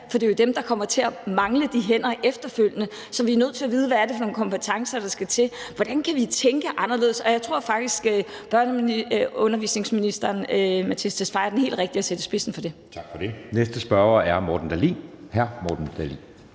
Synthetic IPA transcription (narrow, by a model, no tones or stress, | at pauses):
fɒd̥e̝jo̝d̥emd̥ɑ̈kʰɒ̽m̰ɐt͡sʰe̝æmɑ̈ŋləd̥iɦen̰ɐʔefd̥ɐføl̰jənə | sɒ̽ʋiænøð̰ˠt͡sʰe̝æʋiːð̞ˠʋæɐɾe̝fɒ̽no̝ːn̩kʰɒ̽mpʰət͡sʰɑ̈ŋsɐd̥ɑ̈sɡ̥æt͡sʰe̝ʋɒd̥ænkʰæʋit͡sʰeŋɡ̥əʔɑ̈nɐle̝ðˠsɒ̽jaɪt͡sʰʁo̝ɐ̰fɑ̈ɡ̥̚d̥isɡ̥øb̥ɶɐnəmiɔ̽nɐʋḭːsne̝ŋsminisd̥ɐːnmæt͡sʰisd̥æsfɑ̈ɪɐd̥enɦḛːldʁeɡ̥d̥iæsed̥əsb̥e̝sn̩fɒ̽d̥e̝t͡sʰɑ̈ɡ̥fɒd̥e̝nesd̥əsb̥ɶɐæɐmɒːd̥n̩d̥ælinhæɐmɒd̥n̩d̥ælḭn